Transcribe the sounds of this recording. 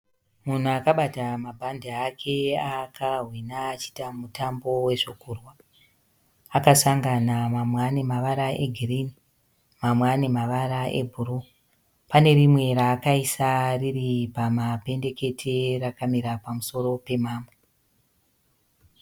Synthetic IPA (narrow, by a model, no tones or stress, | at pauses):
mun̤uakaɓatamabʱandiakʰe̞akʰaɦwinaːt͡ʃi̥tamutambo̞we̞ʐokuːrwa | akasaŋɡanamamwane̞maʋaɾaʔeɡʱirini | mamwane̞maʋaɾaʔe̞̰bʱuru | pane̞ɾimwe̞ɾaːkaisariripamape̞nde̞ke̞tʰe̞rakamiɾapamuso̞ɾo̞pe̞maːmbo